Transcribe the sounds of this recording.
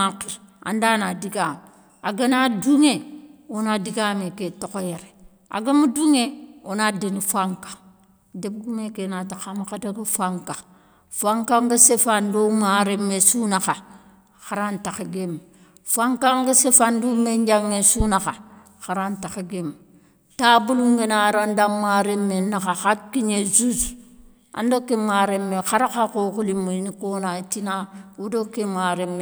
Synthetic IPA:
akiɾa̰ndanadiɡam | aɡənaduŋeonadiɡameketokojeɾe | a̰ɡamuduŋeonadinifaŋkḁ | deb̚ɡumekenataxamakadaɡəfʷaŋka | faŋkaŋɡəsefandomaɾemesunaxa | xaɾantakaɡem | faŋkaŋɡəsefandumeɲd͡ʒaŋːesunaxa | xaɾantaxaɡem | tabuluŋɡenaɾandamːaɾemːenakaxakːiɲezuz | a̰ndokːemaɾemːexaɾakakokulimunikonatinawudokːemaɾemːe

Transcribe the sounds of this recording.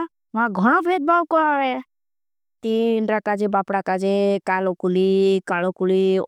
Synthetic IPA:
ʋãɡʱɔɽ̃obʱet̪̚bawkɔaʋe | t̪inɾakad͡ʒebapɽakad͡ʒekalokulikalokuli

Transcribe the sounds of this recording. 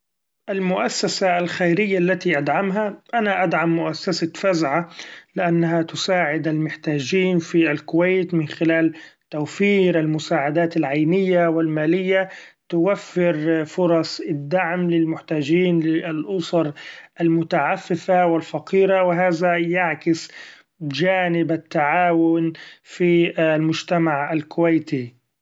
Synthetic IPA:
ʔalmʊʔasːasaːlxajɾɪjːalːat̪iʔad̪ʕamɦaʔanaʔad̪ʕamːʊʔasːasafazʕalɪʔanːaɦat̪ʊsaːʕɪd̪almʊħt̪aːd͡ʒiːnfialkʊwajt̪mɪnxɪlaːlt̪awfiːɾʔalmʊsaːʕad̪aːt̪alʕajnɪjːawɪlmaːlɪjːat̪ʊwafːɪɾfʊɾˤɑsˤɪd̪ːaʕmlɪlmʊħt̪aːd͡ʒiːnlɪlʔʊsˤɑɾˤʔalmʊt̪aʕafːɪfawɪlfɑqiːɾawɪɦaːzajaʕkɪs | d͡ʒaːnɪbat̪ːaʕaːwʊnfilmʊd͡ʒt̪amaʕalkʊwajt̪i

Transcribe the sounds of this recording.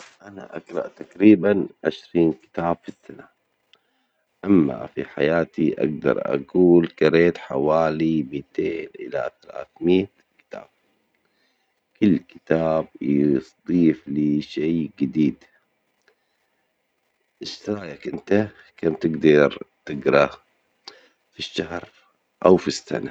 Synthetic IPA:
ʔana̰ʔaɡɾˤɑʔt̪akɾiːbanʕɪ̰ʃɾiːnkɪ̥t̪aːb̥fisːana | ʔamːa̰fiħa̰jaːt̪iʔa̰ɡ̚d̪ɑ̰ɾˤʔa̰ɡuːlkɑɾeːt̪ħawaːlimit̪eːnʔɪla̰θala̰ːθmiːt̪ | kɪ̥t̪a̰ːb̥̚ | kʊlːkɪ̥t̪aːb̚jsd̪ˤiːfliːʃeːɡɪd̪iːd̪ | ʔɪʃt̪ɪɾˤaːjakʔɪnt̪a | kaːmt̪ɪɡd̪ɑɾt̪ɪɡɾˤɑ | fiʃːahɾ | ʔawfisːa̰na

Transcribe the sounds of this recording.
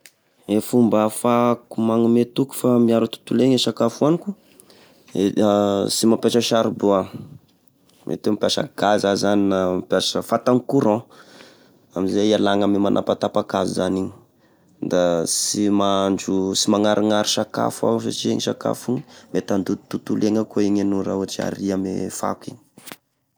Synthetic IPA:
efumbafakumaŋamet̪uku̥famiaɾut̪u̥t̪uleɲeʃakafuaniku | esimapeʈ͡ʂəʃaɾuboa | mʔḛt̪emipiaʃə̰ɡ̥azazaninamipjaʃəfat̪aŋkuɾɔ̃ | amizealaŋamimanʔa̰pat̪apakazuzaniɲi | d̪asimaɳd͡ʒusimaŋaɾʔiŋaɾiʃaka̰fa̰s̬a̰ʈ͡ʂiḛŋiʃaka̰fuŋi̥met̪and̪ut̪ut̪uleŋəkoiɲenuɾa̰uat͡ʃia̰ɾiamḛfa̰kiɲi̥

